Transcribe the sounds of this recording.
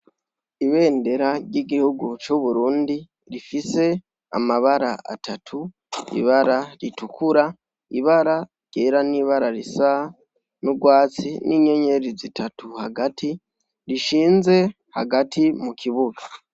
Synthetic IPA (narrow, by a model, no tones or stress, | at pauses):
iβe̞ːnde̞ɾaɾɟiɡihuɡut͡ʃuβuɾuːndi | ɾifise̞ | a̰maβaɾa̰ʔa̰tʰatʰu | ḭβaɾaɾitukuɾa | iβaɾa | ɟ̥eɾaniːβaɾaɾisa | nuɡwaːt͡siniɲe̞ɲe̞ɾizitʰatuhaɡati | ɾiʃiːnze̞ | haɡatimukʰiβuɡa